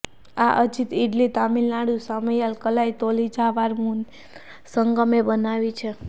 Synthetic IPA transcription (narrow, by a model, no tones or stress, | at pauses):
aʔəd͡ʒit̪iɖlit̪amilnaɽjũsaməjalkəlajt̪olid͡ʒaʋaɾmun | səŋɡəmebənaʋit͡ʃʰe